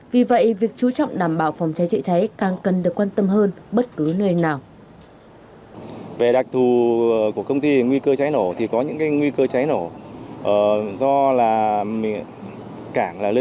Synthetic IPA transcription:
vi˨˩və̰˧˨jʔvi˨˩ək̚t͡ɕu˨˦t͡ɕɔ̰˧˨wŋ͡mɗaː˧˩mɓaː˧˩wfɔ˨˦wŋ͡mt͡ɕa˨˦jt͡ɕə̰˧˨t͡ɕa˨˦jkaː˨˩ŋkə˨˩nɗɨ˨˩əkːwaː˧nt̪ə˧mɦəː˧n | ɓə˦˥t̚kɨ˨˦nəː˧jnaː˨˩w | ve˨˩ɗa˨˩k̚t̪ʰu˨˩˨ku˧˩əkə˧wŋ͡mt̪i˧ŋwi˧kəː˧t͡ɕa˨˦jno˧˩t̪ʰi˨˩kɔ˨˦ɲɨ̰˧˥ŋkaː˨˦jŋwi˧kəː˧t͡ɕa˨˦jno˧˩ʔəː˨˩zɔ˧laː˨˩mi˨˩ŋ | kaː˧˩ŋlaː˨˩lə˧

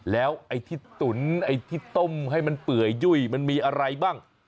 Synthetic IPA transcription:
lɛː˦˥wʔa˧jt̪ʰiː˥˩t̪u˩˦nʔa˧jt̪ʰiː˥˩t̪o˥˩mɦa˥˩jma˧npɯ˨˩əjːu˥˩jma˧nmiː˧ʔa˧ɾa˧jbaː˥˩ŋ

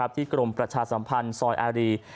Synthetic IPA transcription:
a˦˥p̚t̪ʰiː˥˩kɾo˧mpɾa˧t͡ɕʰaː˧sa˩˦mpʰa˧nsɔː˧jʔaː˧ɾiː˧

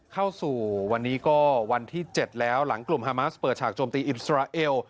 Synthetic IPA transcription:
kʰa˥˩wsuː˨˩wa˧nːiː˦˥kɔː˥˩wa˧nt̪ʰiː˥˩t͡ɕe˨˩t̪̚lɛː˦˥wla˩˦ŋklu˨˩mhaː˧maː˦˥spəɤː˨˩t̪̚t͡ɕʰaː˨˩k̚t͡ɕoː˧mt̪iː˧ʔi˨˩t̪̚sɾaː˧ʔeː˧w

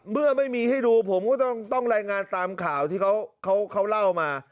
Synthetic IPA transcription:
mɯ˥˩ɐma˥˩jmiː˧ha˥˩jduː˧pʰo˩˦mkɔː˥˩t̪ɔ˥˩ŋt̪ɔ˥˩ŋɾaː˧jŋaː˧nt̪aː˧mkʰaː˩˦wt̪ʰiː˥˩kʰa˦˥wkʰa˦˥wkʰa˦˥wla˥˩wmaː˧

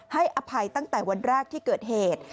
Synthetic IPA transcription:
ha˥˩jʔa˧pʰa˧jt̪a˥˩ŋt̪ɛː˨˩wa˧nɾɛː˥˩k̚t̪ʰiː˥˩kɤː˨˩t̪̚heː˨˩t̪̚

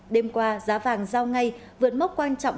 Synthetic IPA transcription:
ɗe˧mkwaː˧zaː˨˦vaː˨˩ŋzaː˧wŋa˧jvɨ˨˩ət̚m˦˥k͡p̚kwaː˧nt͡ɕɔ̰˧˨ŋ͡m

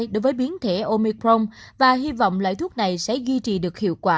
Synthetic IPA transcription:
jɗo˨˦jvəː˨˦jɓi˨˦ənt̪ʰe˧˩ʔo˧mi˧kɾo˧mvaː˨˩ɦi˧vɔ̰˧˨wŋ͡mla̰ː˧˨jt̪ʰu˦˥ət̚na˨˩jsɛ̰˧˥zwi˧t͡ɕḭ˨˩ɗɨ˨˩ək̚hḭ˧˨əwkwaː˧˩

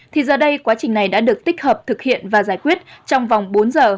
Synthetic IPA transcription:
t̪ʰi˨˩zəː˨˩ɗə˧jkwaː˨˦t͡ɕï˨˩ŋ̟na˨˩jɗa̰ː˧˥ɗɨ˨˩ək̚t̪ï˦˥k̟̚həː˨˩p̚t̪ʰɨ˨˩k̚hḭ˧˨ənvaː˨˩zaː˧˩jkwi˦˥ət̚t͡ɕɔ˧wŋ͡mva˨˩wŋ͡mɓo˨˦nzəː˨˩

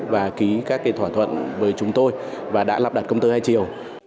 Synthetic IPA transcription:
vaː˨˩ki˨˦kaː˦˥k̚ːaː˨˦jt̪ʰwaː˧˩t̪ʰwə̰˧˨nvəː˨˦jt͡ɕʊ˨˦ŋ͡mt̪o˧jvaː˨˩ɗa̰ː˧˥la˨˩ɗa˨˩t̚kə˧wŋ͡mt̪ɨː˧haː˧jt͡ɕi˨˩əw

